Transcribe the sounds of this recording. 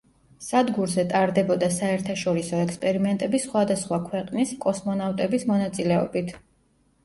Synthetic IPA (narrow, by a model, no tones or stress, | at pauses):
sad̪ɡuɾzɛt̪ʼaɾd̪ɛbɔd̪asaɛɾt̪ʰaʃɔɾisɔɛkspʼɛɾimɛnt̪ʼɛbisχwad̪asχwakʰwɛqʼniskʼɔsmɔnavt̪ʼɛbismɔnat̪sʼilɛɔ̰bit̪ʰ